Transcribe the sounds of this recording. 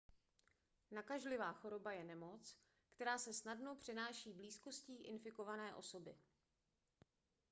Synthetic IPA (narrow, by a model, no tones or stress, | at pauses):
nakaʒlɪvaːxo̞ɾo̞bajɛnɛmo̞t͡s | kt̪ɛɾaːsɛsnadno̞pr̝̥ɪnaːʃiːbliːsko̞sciːʔɪnfɪko̞vanɛːʔo̞̰so̞bɪ